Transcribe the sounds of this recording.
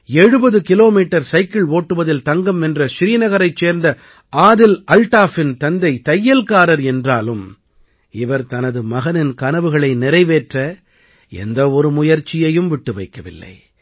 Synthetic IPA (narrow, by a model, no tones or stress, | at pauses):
ɛɻɯbɐðɯkɪloːmiːʈːɐɾsɐɪkɪɭoːʈːɯʋɐðɪlt̪ɐŋɡɐmɛndrɐʃɪɾiːnɐɣɐɾɐɪt͡ʃːeːɾnd̪ɐ | ʔaːðɪlʔɐlʈaːfɪnt̪ɐnd̪ɐɪt̪ɐjːɐlkaːɾɐɾɛndraːlɯm | ɪʋɐɾt̪ɐnɐðɯmɐɣɐnɪnkɐnɐʋɯɣɐɭɐɪnɪɾɐɪʋeːʈrɐ | ɛ̰nd̪ɐɔɾɯmʊjɐɾt͡ʃːɪjɐjɯmʋɪʈːɯʋɐɪkːɐʋɪ̰lːɐ̰ɪ